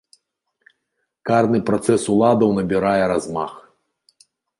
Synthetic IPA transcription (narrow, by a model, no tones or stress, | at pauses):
karnɨpɾat̪sɛsulˠad̪ɐwnɐbʲiɾajɛɾazma̰x